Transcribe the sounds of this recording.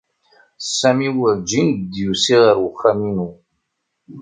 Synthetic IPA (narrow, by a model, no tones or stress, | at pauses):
sːæmiwəɾd͡ʒind̪jusiʁəɾwəχːæminu